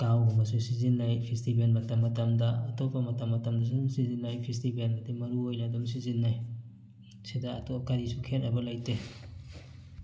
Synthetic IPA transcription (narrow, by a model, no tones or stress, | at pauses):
kawbɐmɐsusizinːajpʰistibelmɐtɐmːɐtɐmdɐɐtopːɐmɐtɐmːɐtɐmdɐs̬uumsizinːajpʰis̬tibelbɐdimɐɾuojnɐdums̬izinːaj | sidaːtokaɾisukʰenɐbɐlajte